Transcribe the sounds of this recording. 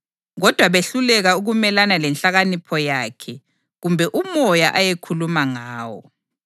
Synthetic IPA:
ɣɔd̥ʱwaβeɬulɛɣauɣumɛlanalɛnɬaɣanipʰɔjakʰɛ | ɣumbʱɛʔumɔjaʔajekʰulumaŋaːwɔ̰

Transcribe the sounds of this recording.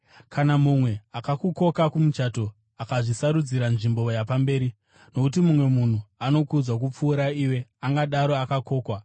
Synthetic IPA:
kʰanamumwe̞akakuko̞kakumut͡ʃato̞ | akaʐisaɾud͡ziɾanʐimbo̞japambe̞ːɾi | no̞kutimumwe̞mun̤uano̞kud͡zwak̬up͡fuːɾaiwe̞aŋɡaɗaɾo̞akako̞ːkwa

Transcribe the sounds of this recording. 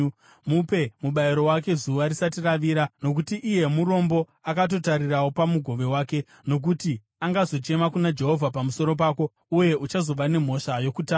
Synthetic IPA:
mupe̞muɓaiɾo̞wake̞zuʋaɾisatiraʋiːɾano̞k̬utiʔije̞muɾo̞mbo̞ | akat̬o̞taɾirawopamuɡʱo̞ʋe̞waːke̞ | no̞k̬uti | aŋɡazo̞t͡ʃe̞makunad͡ʒe̞ɦo̞vʱapamuso̞ɾo̞p̬aːko | uje̞ʔut͡ʃazo̞ʋane̞m̤o̞ʃajo̞kutaː

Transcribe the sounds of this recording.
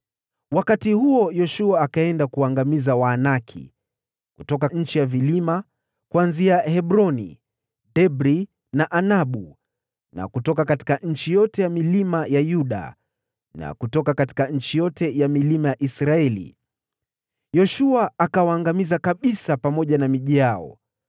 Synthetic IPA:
wakatihuɔjɔʃuaːkaɛndakuwaːŋɡamizawaːnakʰḭ | kutɔkaɲ̩t͡ʃijavilima | kuanziahɛɓɾɔnḭ | ɗɛbɾi | naʔanaɓu | na̰kutɔkakati̥kaɲ̩t͡ʃijɔtɛjamilimajajuɗa̰ | na̰kutɔkakati̥kaɲ̩t͡ʃijɔtɛjamilimajaʔisɾaɛlḭ | jɔʃuaakawaːŋɡamizakaɓisapamɔʄanamiʄiaɔ̰

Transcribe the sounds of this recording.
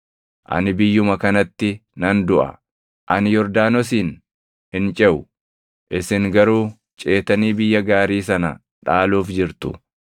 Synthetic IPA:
ʔɐ̰nɪbɪjːʊmɐkɐnɐt̪ːɪnɐnd̪ʊʔɐ̰ | ʔɐnɪjɔɾd̪aːnɔsiːn | hɪnt͡ʃʼɛʔʊ | ʔɪsɪŋɡɐɾuː | t͡ʃʼe̞ːt̪ɐniːbɪjːɐɡaːɾiːs̬ɐnɐ̰ | ᶑaːluːfd͡ʒɪɾt̪ʊ̰

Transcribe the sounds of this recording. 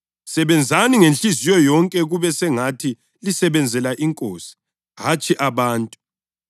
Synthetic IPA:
sɛβɛnd͡zʱaniŋenɬʼizijɔjɔŋkʼɛɣuβɛsɛŋatʰi | lisɛβɛnd͡zʱɛlaʔiŋkʼoːsi̥ | ɦat͡ʃʼiʔaβaːntʼu̥

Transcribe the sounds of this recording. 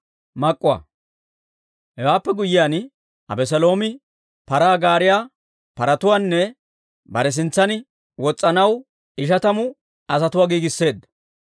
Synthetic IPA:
mɐkʼːʊwɐ̰ | hɛwaːpːɛɡʊjɪjaːn | ɐ̰bɛs̬ɛlo̞ːmɪ | pɐɾaːɡaːɾɪjaː | pɐɾɐt̪ʊwaːnːɛ | bɐɾɛs̬ɪnt͡sːɐnɪ | wɔt͡sʼːɐnɐw | ɪʃ̬ɐt̪ɐmʊ | ɐsɐt̪ʊwaːɡiːɡɪsːe̞ːd̪ɐ

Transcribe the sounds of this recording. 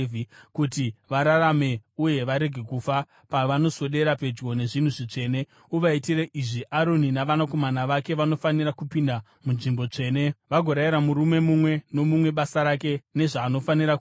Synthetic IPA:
ikutiʋaɾaɾame̞uje̞ʋaɾe̞ɡʱe̞kufa | paʋano̞so̞ɗe̞ɾape̞d͡ʒɡo̞ne̞ʐin̤uʐit͡ʂe̞ːne̞ | uʋaitireʔiʐiʔaɾo̞ninaʋanako̞manaʋake̞ʋano̞fanirakupinda | munʐimbo̞t͡ʂe̞ːne̞ʋaɡʱoɾaiɾamuɾume̞mumwe̞no̞mumwe̞ɓasaɾake̞ne̞ʐaːno̞faniɾak

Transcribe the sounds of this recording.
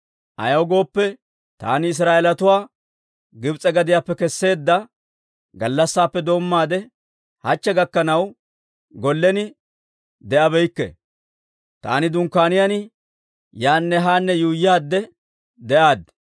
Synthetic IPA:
ʔɐ̰jɐwɡo̞ːpːɛ | t̪a̰ːnɪɪs̬ɾaːʔɛlɐt̪ʊwaː | ɡɪbt͡sʼɛɡɐd̪ɪjaːpːɛkɛsːe̞ːd̪ːɐ | ɡɐlːɐsːaːpːɛd̪o̞ːmːaːd̪ɛ | hɐt͡ʃːɛɡɐkːɐnɐw | ɡɔlːɛnɪ | d̪ɛʔɐbɛjkːɛ̰ | t̪a̰ːnɪd̪ʊŋkːaːnɪjɐn | jaːnːɛɦaːnːɛjuːjaːd̪ːɛ | d̪ɛʔaːd̪

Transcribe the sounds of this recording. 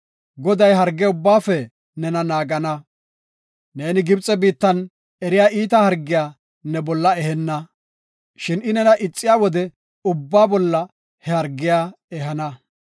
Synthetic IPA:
ɡɔd̪ɐjɦɐɾɡːjʊbːaːfɛ | nɛnɐnaːɡɐnɐ | ne̞ːnɪɡɪbt͡sʼːɛbiːt̪ːɐn | ɛɾɪjaːʔiːt̪ɐhɐɾɡːɪjaː | nɛbɔlːɐɛhɛnːɐ | ʃɪnɪnɛnɐʔɪt͡sʼːɪjaːwɔd̪ɛ | ʊbːaːbɔlːɐ | hɛhɐɾɡːɪjaː | ɛɦɐnɐ

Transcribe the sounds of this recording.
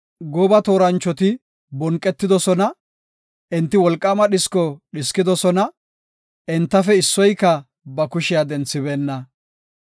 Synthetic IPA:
ɡɔbɐt̪o̞ːɾɐnt͡ʃːɔt̪ɪ | bɔŋkʼːɛt̪ːɪd̪ɔsɔnɐ | ʔɪnt̪ːɪwɔlkʼːɐmɐɗɪskɔɗɪskɪd̪ɔsɔnɐ | ɛnt̪ːɐfɛɪsːɔjkːɐ | bɐkʊʃɪjad̪ɛnt͡sːɪbeːnːɐ

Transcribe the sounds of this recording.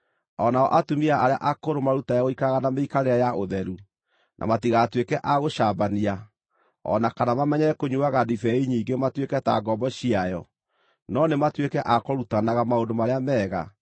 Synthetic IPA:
ɔnaɔʔatumiaʔaɾea̰ʔakoɾomaɾutajaɣoikaɣanameikaɾeajaʔoðɛɾu | nʔa̰matiɣaːtwekɛʔaɣoʃabania | ɔ̰nakanamamɛɲɛɾɛkoɲuaɣadifɛiɲiːɡematwekɛta̰ɡɔmbɔɕiajɔ | nɔnematwekɛʔakɔɾutanaɣamaondomaɾeamɛːɣa̰

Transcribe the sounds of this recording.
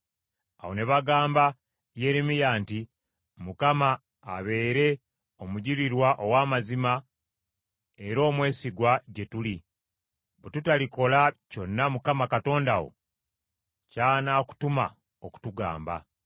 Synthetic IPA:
awoneβaɡaːmba | je̞ɾemijaːnti | mukamaː | βe̞ːɾe̞ | omuɟiɾiɾwaʔowaːmazima | e̞ɾo̞ːmwe̞ːsiɡwaɟe̞tuli | βetutaliko̞laco̞nːamukamakato̞ːndawo̞̰ | caːnaːku̥tuma̰ | oku̥tuɡa̰ːmba̰

